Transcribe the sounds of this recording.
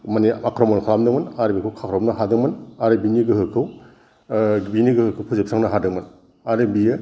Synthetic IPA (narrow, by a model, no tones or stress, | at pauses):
maniakɾomɔnkʰalamdɯŋmɯnaɾebikʰɯwkʰakʰɾɔmnɐɦadɯŋmɐnaɾebiniɡɯhɯkʰɯw | biniɡɯhɯkʰɯwpʰuzep̚saŋnɐɦadɯŋmɐn | aɾebijɯ